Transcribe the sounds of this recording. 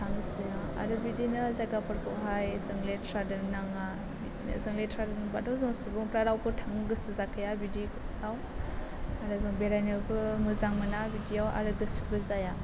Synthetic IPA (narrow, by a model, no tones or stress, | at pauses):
tʰaŋsia | a̰ɾɯbidinɯzajɡapʰɯɾkʰɔ̰ʔɦajzɯŋletʰɾadɯɾnaŋa | bidinɐ̰zɯŋletʰɾadɯnbadawzɯŋsubɯŋpɾaɾawpʰɯtʰaŋɡɯsizakʰɯjabidi | aw | aɾɯzɯŋbeɾajnɯbɯmɯzaŋmɯnabidiawa̰ɾɯɡɯsi̥bɯzaja